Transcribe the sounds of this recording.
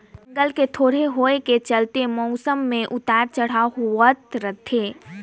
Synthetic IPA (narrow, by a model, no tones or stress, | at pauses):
bŋɡəlket̪ʰoːɽ̤eɦoːeket͡ʃəlt̪emɔʊsəmːẽʔʊt̪aːɾt͡ʃəɽ̤aɦuət̪ɾət̪ʰeː